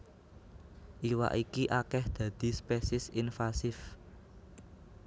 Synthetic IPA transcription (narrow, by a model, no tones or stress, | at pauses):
ʔiwa̰ʔikiʔakɛhd̪̥ä̤d̪̥i̤spɛsɪsinfasɪf